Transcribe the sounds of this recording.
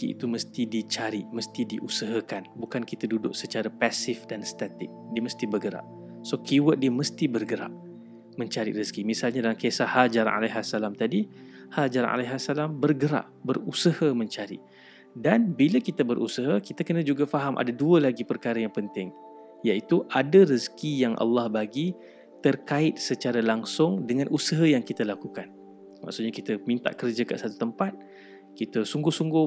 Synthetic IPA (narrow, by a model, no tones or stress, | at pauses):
kiḭt̪uməst̪idit͡ʃaɾɪʔməst̪idiʔusəɦəkanbukankit̪adudʊʔ̚sət͡ʃaɾapasɪfdanst̪at̪ɪk̚diəməst̪ibərɡəɾa̰ʔ̚ | sokiwət̪̚diəməst̪ibərɡəɾa̰ʔ̚ | məɲt͡ʃaɾḭʔrəskimisalɲadalamkesahald͡ʒaɾa̰nʔa̰laɦasalamt̪adi | hald͡ʒaɾa̰nʔa̰laɦasalambərɡəɾa̰ʔbərusəhamə̃ɲt͡ʃaɾḭʔ | danbiləkit̪əbəɾʔusəɦəkit̪akənãd͡ʒuɡafaɦamʔa̰daduəlaɡipərkaɾajaŋpənt̪ɪŋ | jait̪uʔadarəskijaŋʔa̰lːɑhbaɡi | t̪ərkaɪt̪̚sət͡ʃaɾalaŋsʊŋdəŋãnusəɦəjaŋkit̪alakukan | ma̰ksuʔ̪̚ɲakit̪əmint̪a̰ʔkərd͡ʒakasat̪ut̪əmpat̪̚ | kit̪əsuŋɡʊhsuŋɡʊ